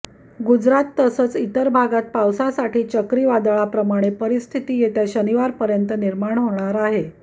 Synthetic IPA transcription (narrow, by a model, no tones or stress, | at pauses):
ɡud͡zɾat̪ːəsət͡sit̪əɾbʱaɡat̪̚pawsasaʈiːt͡ɕəkɾiːʋad̪aɭapɾəmaɽ̃epəɾist̪ʰit̪iːjet̪jaɕəniʋaɾpəɾjənt̪əniɾmaɳ̃ɦoɳ̃aɾaɦe